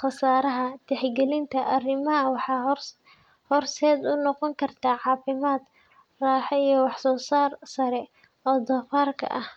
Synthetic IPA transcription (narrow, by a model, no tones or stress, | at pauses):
χɑsaːɾɐɦɐt̪ʰɛħɡɛlɪnt̪ʰɐʔɐrɪmɐɐwɑħɑ | hɔrsɛːd̪ʊnɔqɔŋkʰɐrt̪ʰaːʕɑːfɪmaːd̪ | raːħɛijɞwɑħsɔːsaːrsɐɾɛ | ɔːd̪ɐfaːrkʰɐ̰ʔɐh